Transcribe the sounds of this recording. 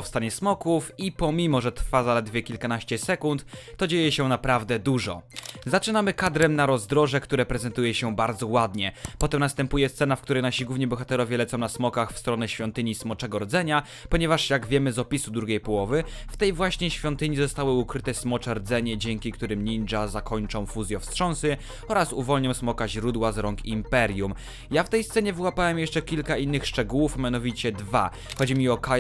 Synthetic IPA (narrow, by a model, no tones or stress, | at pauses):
ɔfst̪aɲɛsmɔkufipɔmʲimɔʐɛt̪ɾfazalɛd̪vʲjɛkʲilkanaɕt͡ɕɛsɛkunt̪ːɔd͡ʑejɛɕɛnapɾavd̪ɛd̪uʐɔ̰zat͡ʂɘnamɘkad̪ɾɛmnaɾɔzd̪ɾɔʐɛkt̪uɾɛpɾɛzɛnt̪ujɛɕɛbaɾd̪zɔwad̪ɲɛpɔt̪ɛmnast̪ɛmpujɛst̪sɛnafkt̪uɾɛjnaɕiɡwuvɲɛbɔxat̪ɛɾɔvʲjɛlɛt̪sɔ̃w̃nasmɔkaxfst̪ɾɔnɛɕfʲjɔnt̪ɘɲismɔt͡ʂɛɡɔɾɔd̪zɛɲa | pɔɲɛvaʂjaɡvʲjɛmɘzɔpʲisud̪ɾuɡʲejpɔwɔvɘft̪ɛjvwaɕɲɛɕfʲjɔnt̪ɘɲizɔst̪awɘukɾɘt̪ɛsmɔt͡ʂɛɾd̪zɛɲɛd͡ʑɛŋkʲikt̪uɾɘmɲind͡ʐazakʰɔɲt͡ʂɔ̃w̃fuzʲjɔfstʂɔ̃ñsɘ | ɔɾasuvɔlɲɔ̃w̃smɔkaʑɾud̪wazɾɔŋkimpɛɾjum | jaft̪ɛjst̪sɛɲɛvwapawɛmjɛʂt͡ʂɛkʲilkainːɘxʂt͡ʂɛɡuwufmʲjanɔvʲit͡ɕɛd̪va | xɔd͡ʑimʲiɔka